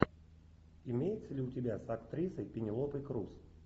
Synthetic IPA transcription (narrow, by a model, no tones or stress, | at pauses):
ɪmʲejɪt̪səlʲɪʊtʲɪbʲasɐkt̪ɾʲisəjpʲɪnʲɪlˠopɨjkɾus